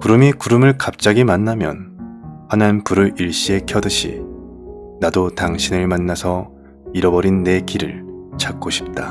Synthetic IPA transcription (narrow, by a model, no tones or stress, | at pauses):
kuɾɯmikuɾɯmɯɭkap̚t͡ɕ͈aɡimanːamjʌ̰nhananpuɾɯɾiɭɕ͈ie̞kʰjʌdɯɕʰḭ | nadotaŋɕʰinɯɭmanːasʰʌ | iɾʌbʌɾinːe̞kiɾɯ̰ɭt͡ɕʰak͈oɕʰi̥p̚t͈a